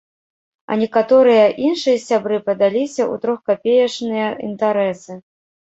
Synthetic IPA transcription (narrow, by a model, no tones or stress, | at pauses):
ɐ̰nʲɛkat̪ɔɾɨjɐʔinʂɨjɐsʲabɾɨpɐd̪alʲisʲɐʔṵt̪ɾɔxkapʲejɐt͡ʂnɨjɐḭnt̪aɾɛsɨ